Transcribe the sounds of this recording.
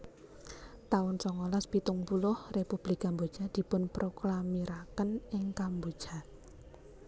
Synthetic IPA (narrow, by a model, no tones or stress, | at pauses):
t̪aʊnsɔŋolaspit̪ʊŋpulʊhrepub̥likambod̥d͡ʒ̥a̤d̪̥i̤pʊnpɾoklamiɾakənɪŋkambo̥ʒ̥a̤